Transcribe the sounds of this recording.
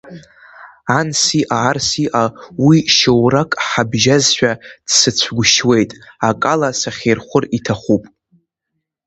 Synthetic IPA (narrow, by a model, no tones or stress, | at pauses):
ansiʔaːrsiʔawiʃowrakʼħabʒazʃʷᶣad̥sɨt͡ɕʷʰɡʷʊʃwe̞jtʼakʼalasaχʲejrχʷʊritʰaχʷupʼ